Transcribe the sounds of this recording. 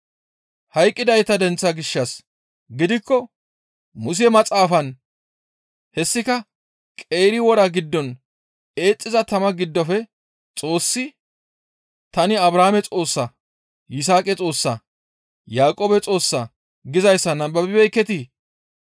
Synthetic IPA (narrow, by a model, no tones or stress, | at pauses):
hɐjkʼːɪd̪ɐjt̪ːɐd̪ɛnt͡sːɐɡɪʃːɐs | ɡɪd̪ɪkːɔ | mʊs̬ɪɛmɐt͡sʼaːfɐn | hɛsːɪkɐ | kʼe̞ːɾɪwɔɾɐɡɪd̪ːɔn | e̞ːt͡sʼːɪzɐt̪ɐmɐɡɪd̪ːɔfɛ | t͡sʼo̞ːsːɪ | t̪ɐnɪɐbɾaːmɛt͡sʼo̞ːsːɐ | jɪs̬aːkʼɛt͡sʼo̞ːsːɐ | jaːkʼoːbɛt͡sʼo̞ːsːɐ | ɡɪzɐjsːɐnɐbɐbɪbɛjkːɛt̪i